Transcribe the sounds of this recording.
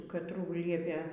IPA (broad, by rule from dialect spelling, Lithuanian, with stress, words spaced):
kɐtˈruː ˈlʲiɛpʲeː